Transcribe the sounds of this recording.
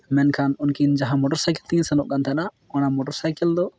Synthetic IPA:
mɛnkʰanunkind͡ʒaɦãmɔʈɔɾsajkɛlt̪insɛnɔʔ̚kant̪ʰɛna | ɔnamoʈəɾsajkɛld̪ɔ

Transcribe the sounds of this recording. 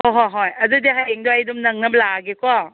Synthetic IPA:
ɔɦɔjɦɔjɐdudeɦajeŋdoɐjdumnɐŋnɐp̚laɡekɔ

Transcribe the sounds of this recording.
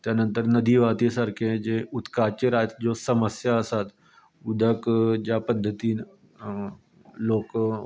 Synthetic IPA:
t̪janənt̪əɾnəd̪ʱiːʋat̪isəɾkʰed͡ʑeut̪kat͡ʃeɾaːt̪d͡ʑosəməsjaəsat̪ | ud̪ʱəkd͡ʑapəd̪ʱːət̪iː | loːk

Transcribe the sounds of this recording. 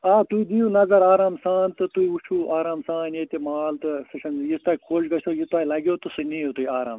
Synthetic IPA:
aːt̪uid̪ijunɐzɐɾaːɾaːmsaːnt̪ɨt̪uiut͡ʃʰuːʔaːɾaːmsaːnjet̪ʲemaːlt̪ɨsɨʃʰɐnjist̪aːikʰoːʃɡɐsoːjit̪aːilɐɡʲoːt̪usiniːot̪uiaːɾa̰ːm

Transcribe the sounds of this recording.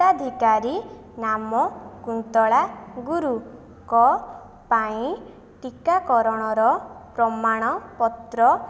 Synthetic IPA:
ad̪ʱikaɾi | namɔkunt̪ɔɭaɡuɾu | kɔ | paĩ | ʈikakɔɾɔɽ̃ɔɾɔpɾɔmaɽ̃ɔpɔt̪ɾɔ

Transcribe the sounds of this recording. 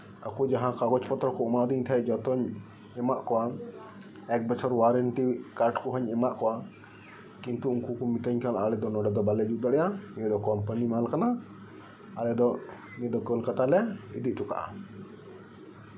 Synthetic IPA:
a̰kud͡ʒaɦãkaɡɔt͡ʃpɔt̪ɾɔkɔɔmaʔd̪iɲt̪ʰaɛʔd͡ʒɔt̪ɔɲ | ɛmaʔkɔwa | ɛk̚bɛt͡ʃʰɔɾwaɾəɳʈikaɾʈkɔɦɔɲɛmaʔkɔwa | kint̪uuŋkukɔmit̪əɲkalaʔalɛd̪ɔnɔɖɛd̪ɔbalɛd͡ʒuʔd̪aɽɛjaniɛd̪ɔkɔmpanimalkana | alɛd̪ɔʔ | nɛd̪ɔkəlkat̪alɛaid̪iʔ̚ˀʈʰuka̰ʔa̰

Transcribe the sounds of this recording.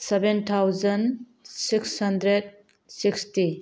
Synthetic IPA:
sebent̪ʰawzɐn | sikshɐndɾed̚ | siksti

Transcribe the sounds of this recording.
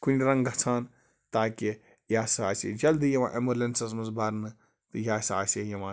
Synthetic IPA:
kunʲɾɐŋɡɐt͡sʰaːn | t̪aːki | jaːsaːsḛd͡ʒɐld̪ɨjɐʋã̰ːʔemulensɐs̬mɐsbaɾnɨ | t̪ɨjaːsa̰ːsejɐʋãː

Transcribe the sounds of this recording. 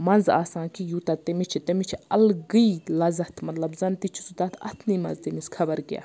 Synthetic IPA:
mɐnza̰ːsãːnkijut̪at̪emit͡ʃʰit̪emit͡ʃʰiɐlɡɨilɐzɐt̪ʰmɐt̪lɐbzɐnt̪it͡ʃʰi̥sut̪at̪ʰɐ̰t̪ʰniːmɐ̰nzt̪imiskʰɐbɐɾkʲja̰ː

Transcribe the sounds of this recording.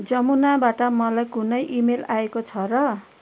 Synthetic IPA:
d͡zʌmunabaʈʌmʌlajkunʌjʔimelaekot͡sʰʌɾʌ

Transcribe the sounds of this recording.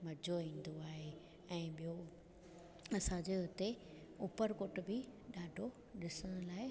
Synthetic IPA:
mɐd͡ʑʱoĩːn̆d̪oaːɦe | ɛ̃ːɓijo | ɐsãd͡ʑeɦʊt̪e | ʊpəɾkoʈbɪɗaːɖʱo | ɗɪsəɽ̃ʊlaːɪ

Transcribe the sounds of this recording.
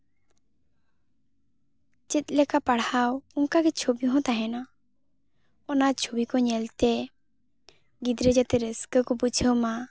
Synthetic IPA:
t͡ʃɛt̪̚ˀlɛkapaɽawuŋkaɡɛt͡ʃʰobijɔɦɔ̃t̪aɦɛna | ɔnat͡ʃʰobikɔɲɛlt̪ɛ | ɡid̪ɾəd͡ʒat̪ɛɾəskəkɔbut͡ʃʰəwma

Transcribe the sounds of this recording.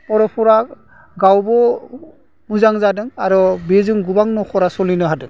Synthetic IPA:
ɔɾɔpʰuɾa | ɡawbɔ | muzaŋzadɯŋaɾɔbezɯŋɡubaŋnɔxʰɔɾasɔlinɯɦadɯŋ

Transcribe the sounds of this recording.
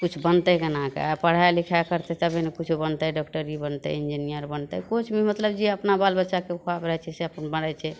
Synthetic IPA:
kut͡ʃʰbənt̪əkənakḛapəɽ̤ajlikʰakəɾt̪ɛt̪əbʱenekut͡ʃʰubənt̪əɖɔkʈəɾibənt̪ə̰ind͡ʒinijəɾbənt̪ə̰kot͡ʃʰmimət̪ləbd͡ʒeəpnabalbətːʃakekʰabɾəɦɛt͡ʃʰɛseəpənbəɽɛt͡ʃʰɛ

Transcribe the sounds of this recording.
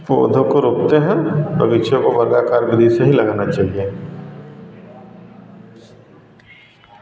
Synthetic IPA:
po̰ːd̪ʱõkoɾoːk̚t̪eɦɛ̃bʱɐʋɪʃjõkobɐɾɡakaːɾbɪd̪ʱiseɦilɐɡaːnat͡ʃaːɦie

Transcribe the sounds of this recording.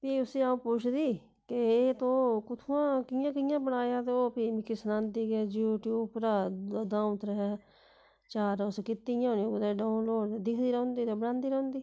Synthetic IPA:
p̪iːʊsĩːaũːpʊt͡ʃʰd̪iː | keeːt̪õːkʊt̪ʰuãːkɪjãːkɪjãːbəɽaːjaːt̪eoːpiːmikɪsnãːnd̪iːɡɛːd͡ʒjuːʈjuːpɾaːd̪ãːʊ̃t̪ɾəɦɛː | t͡ʃaːɾʊskɪt̪ːijãːnĩːɡʊd̪eɖaːʊnloːɖd̪ɪkʰd̪iːɾəʊ̃nd̪iːt̪eːbəɽãːnd̪iːɾəõnd̪iː

